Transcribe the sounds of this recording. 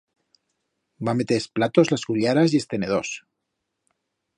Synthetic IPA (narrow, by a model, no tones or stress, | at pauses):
bame̞t̪eesplat̪o̞zlazɣuʎaɾazje̞st̪e̞ne̞ð̞o̞s